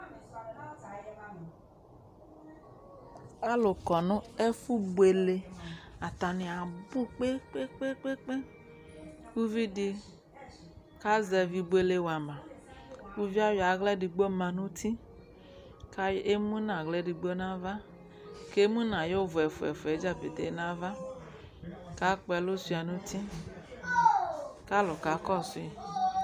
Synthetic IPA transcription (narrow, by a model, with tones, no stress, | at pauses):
a˦lo˨kɔ˨nʊ̃˦e˦fu˦bwe˨le˨a˨t̪a˨nĩ˨a˨bu˦k͡pe˦k͡pe˦k͡pe˦k͡pe˦k͡pe˦ | ku˦vi˦di˧ | ka˦zɛ˨vi˨bu˦e˨le˨wa˨mã˨ | ku˦vi˦a˦ja˨˦ɣlɛ˦di˨˧ɡ͡bo˦ma˧nu˦tʰi˦ | ka˦e˦mu˦na˨ɣlɛ˦di˧ɡ͡bo˦na˦va˦ | ke˦mu˦na˨jo˦vu˨ɛ˨fu˨ɛ̰˨fu˨ɛ˨˦d͡ʒa˦˨pe˨te˨˦na˦va˦ | ka˨˦k͡pɛ˧lo˦su˧˦a˨nu˦tʰi˦ | ka˦lo˨ka˨˦kɔ˦˨su˦˨